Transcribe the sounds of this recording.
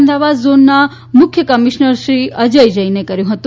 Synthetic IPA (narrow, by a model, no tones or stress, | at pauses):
md̪aʋad̪zonːa | mʊkʰjəkəmiʃnəɾʃɾiəd͡ʒəjd͡ʒəinekəɾjũɦət̪ũ